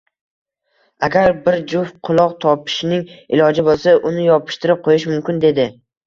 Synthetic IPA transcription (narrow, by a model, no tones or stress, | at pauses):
aɡʲaɾbɪɾd͡ʒʊfqʰʊlˠɒqt̪ʰɒpʰɪ̥ʃnɪŋɪlɒd͡ʒɪbolˠsaʔʊnɪjɒpʰɪ̥ʃt̪ɪɾɪp̚qʰojɪʃmʊmkʲɪnd̪e̞d̪ɪ